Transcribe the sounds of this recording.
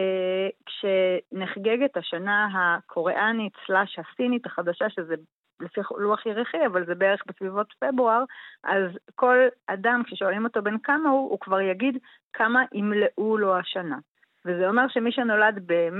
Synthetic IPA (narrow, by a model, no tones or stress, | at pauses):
kʃeneχɡeɡetaʃanaɦakʰo̞ʁeʔanitt͡slaʃhasinitaχadaʃaʃeze | lefiχluaχjeʁiχiavalzebeeʁeχbesvivo̞tfe̞bʁuaʁʔazko̞ladamkʃeʃoalimo̞to̞benkamahuukvaʁjaɡid | kʰamaʔimleʔulo̞aʃana | vezeo̞meʁʃemiʃeno̞ladbem